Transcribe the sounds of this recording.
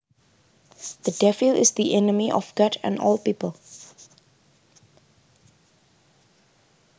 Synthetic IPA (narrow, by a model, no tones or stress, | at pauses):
ð̥ədɛfilɪsd̪iʔɛnəmiʔɔ̰fɡatʰɛ̰̃nɔ̰lpiːpəlˠ